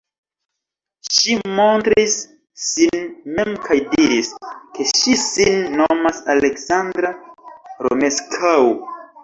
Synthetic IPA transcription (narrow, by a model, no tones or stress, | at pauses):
ʃimo̞ntɾisː | inme̞mkʰajdiɾiske̞ʃisinːomasaleksandɾaɾo̰me̞skʰaw